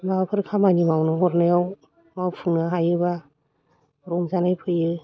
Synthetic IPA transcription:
napʰɯɾkʰamanimawnɔɦɔɾnɯjaw | mawpʰuŋnɯɦajɯba | ɾɔŋzanajpʰɯjɯ

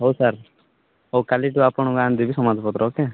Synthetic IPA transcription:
ɦoːsaɾ | oːkaliʈuapɔɳ̃uɡãnd̪ibʱisɔmad͡ʒpɔt̪ɾɔːke

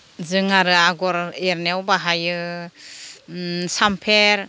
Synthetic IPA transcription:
zɯŋaɾɯaɡɔɾeɾnewbaɦajɯ | sampʰeɾ

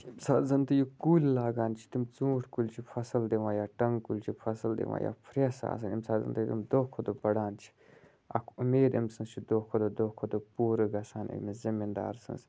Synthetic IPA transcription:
imsaːzɐnt̪ɨjukuːlʲlaːɡaːnt͡ʃʰi̥t̪imt͡sũːʈʰkulʲt͡ʃʰipʰɐsɐld̪iʋãːjaːʈɐŋɡkulʲt͡ʃʰifʰɐsɐld̪ḭʋã̰ːja̰ːpʰɾesa̰ːs̬ɐnimsaːzɐ̰nt̪ɐjt̪ḭmd̪okʰːod̪obɐɽaːnt͡ʃʰi̥ | ɐ̰kʰumeːd̪imsɨ̃nst͡ʃʰid̪oːkʰod̪od̪oːkʰod̪opuːɾɨɡɐsaːnḭmizimind̪a̰ːɾsɨ̰nz

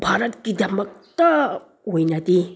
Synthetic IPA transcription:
bʱaɾət̪̚kid̪ɐmək̚t̪a | ɦojnat̪i

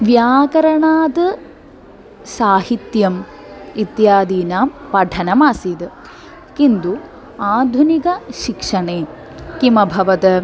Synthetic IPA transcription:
ʋjaːkɐɾɐɳaːd̪ɨ | saːɦit̪jɐm | it̪jaːd̪iːnaːmpɐɖʰʱɐnɐmaːsid̪ | kind̪u | aːd̪ʱunikɐʃikʂɐɳeː | kimɐbʱɐʋɐt̪

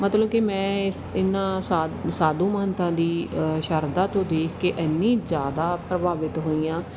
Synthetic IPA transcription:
mət̪ləbkimɛ̃ːɪsɪnːãːssaːd̪ũːməɦənt̪ãːd̪iːʃəɾd̪ãːt̪õːd̪eːkʰkeːʔɛnːiːzjaːd̪aːpɾəbaːʋɪt̪ɦoːiːãː

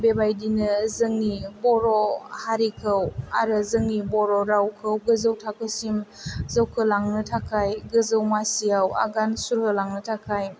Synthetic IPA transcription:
bebajdinɯzɯŋnibɔɾɔhaɾikʰəwaɾɯzɯŋnibɔɾɔɾawkʰəwɡɯzəwtʰakʰɯsim | zəwkʰɯlaŋnɯtʰakʰajɡɯzəwmasijawa̰ɡansuɾhəlaŋnɯtʰakʰaj

